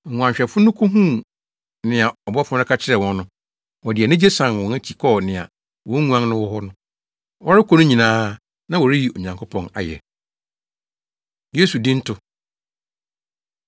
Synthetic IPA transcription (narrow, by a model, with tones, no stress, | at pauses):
ŋu˨ã˨ɲɕᶣɛ˨fʊ˦nʊ̃˦kʰʊ˦ɦũ˦˨ | nɪ̃˨a˨ɔ˨bɔ˦fɔ̃˦ɾɪ˦kʰa˦t͡ɕʰɪ˦ɾɛ˨wɔ̃˦nːʊ̃˦ | wɔ˨dɪ˨ɛ˨nɪ̃˦d͡ʑe˦sã˨nwɔ̃˨næ˦t͡ɕʰi˨kʰɔ˦˨nɪ̃˨a̰˨ | wɔ̃˨˦ŋũ˦ã˦n˦nʊ̃˦wɔ˦ɦɔ˦nʊ̃˦ | wɔ˦ɾɪ˦kʰɔ˦nʊ̃˦ɲĩ˨nãː˦ | nã˦wɔ˨ɾɪ˦ji˨o˨ɲã˨ŋkʰʊ˦pʰɔ̃˨na̰˨jɛ̰˨ | je˦su˨dĩ˦n̩˦tʰʊ˦